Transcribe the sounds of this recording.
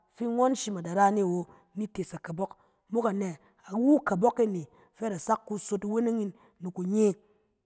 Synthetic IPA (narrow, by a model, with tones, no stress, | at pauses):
fi˦ŋo˦n˦ʃi˦ma˨da˨ɾa˦ne˦˨wo˨ | ni˦te˨sa˨ka˨bɔ˦k | mo˦ka˨ne˨ | a˨wu˦ka˨bɔ˦ke˦˨ne˨ | fe˦ɾa˨sa˦kːu˦so˦ti˨we˦ne˦ŋi˦nː | u˨ku˨ɲe˦